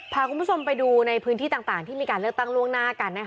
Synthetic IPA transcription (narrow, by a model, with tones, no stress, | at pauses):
pʰaː˧kʰu˧nbu˥t͡ɕʰo˧mpa˧jduː˧na˧jpʰɯː˦˥nt̪ʰiː˥˩t̪aː˨˩ŋt̪aː˨˩ŋt̪ʰiː˥˩miː˧kaː˧nlɯ˥˩ək̚t̪a˥˩ŋɾu˥˩əŋnaː˥˩ka˧nːa˦˥kʰ